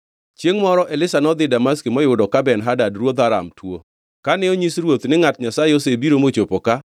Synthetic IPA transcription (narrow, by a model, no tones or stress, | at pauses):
t͡ʃjeŋmɔɾɔʔelɪsanɔd̪ɪdamaskimɔjʊdɔkabɛnɦadadrwod̪aɾa̰mtwo | kanɛoɲisɾwot̪nɪŋatɲasaeosebiɾomot͡ʃopoka